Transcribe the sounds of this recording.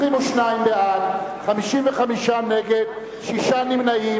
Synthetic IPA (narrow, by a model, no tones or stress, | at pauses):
ʁimoʃnaimbeʔalχamiʃimveχamiʃaneɡed̪ | ʃiʃanimnai